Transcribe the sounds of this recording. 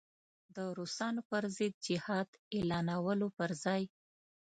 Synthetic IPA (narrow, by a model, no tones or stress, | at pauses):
d̪əɾusɑnopəɾzɪd̪̚d͡ʒɪhɑd̪elɑnawəlopəɾzɑj